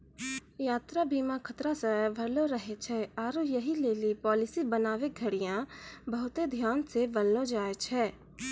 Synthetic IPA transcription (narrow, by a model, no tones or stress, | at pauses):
jaːt̪ɾabiːmãkʰət̪ɾasəbʱɐɾloɾəɦet͡ʃʰɛːaːɾojɐɦileːlipɔːlɪsibənaːʋeɡʱəɽijãbəɦʊt̪ed̪ʱjaːnsebəlnod͡ʒaːet͡ʃʰɛː